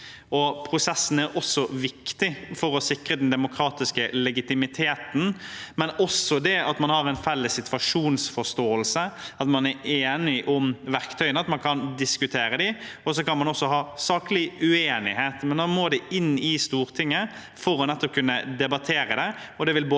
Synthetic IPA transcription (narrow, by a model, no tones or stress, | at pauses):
ɔpʰɾʊsɛsːn̩æɾɔsːɔʋɪkt̪ɪfɔɾɔsɪkːɾəd̪ɛnd̪ɛmʊkʰɾɑːt̪ɪskəlɛɡɪt̪ɪmɪt̪ʰeːt̪n̩mɛnɔsːɔd̪ɛɑt̪mɑnhɑɾɛnfɛlːəsːɪt̪ʋɑʂuːnsfɔst̪oːəlsəɑt̪mɑnæɾeːnɪʔʊmʋæʁkt̪ʰœʏənəɑt̪mɑnkʰɑnd̪ɪskʉt̪ʰeːɾəd̪ɪɔsɔkɑnmɑnɔsːɔɦɑːsɑːklɪʉeːnɪ̰heːt̪mɛnɑnmoːd̪ɛɪnːɪst̪uːɾt̪ʰɪŋːə | fɔɾɔnɛt̪ːɔp̚kʰʉnːəd̪ɛbɑt̪ʰeːɾəd̪ɛ | ɔd̪ɛʋɪlbː